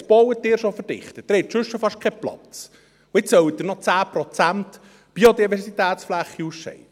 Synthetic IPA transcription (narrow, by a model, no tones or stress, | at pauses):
sb̥ɔwət̚dɪːɾʃofəɾd̥ɪ̰χt̪ətd̥̪ɾɛtʃʏʃːofɑʃkʰɛplɑ̰t͡s | ʊɪt͡ssœwəd̪ɪɾnɔt͡sæːpɾɔt͡sænt | b̥iːod̪ivɛɾsitɛːt̪sflæχːiusʃɛ̰ɪdə